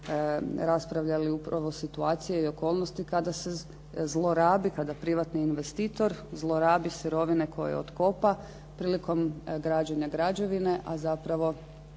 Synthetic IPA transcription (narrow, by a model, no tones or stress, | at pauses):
ɾaspɾaʋʎaliupɾaʋo̞sit̪uaːt̪sije̞io̞ko̞ːlˠnost̪ikad̪ase̞ | zlˠo̞ɾaːbikad̪apɾiʋat̪niːnʋe̞st̪iːt̪o̞ɾzlˠo̞ɾaːbisiɾo̞ʋine̞kʰo̞̰jḛo̰t̪ko̞pa | pɾiːliko̞mɡɾad͡ʑeɲaɡɾad͡ʑo̞ʋine̞ʔazapɾaʋo̞